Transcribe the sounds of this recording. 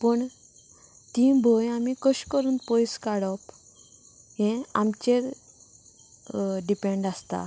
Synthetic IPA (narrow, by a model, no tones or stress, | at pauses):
pəɳ | t̪ĩbʱojamikəɕkəɾuːnpɔjskaɽɔp | ɦɛ̃amt͡ɕeɾ | ɖipẽɳɖast̪a̰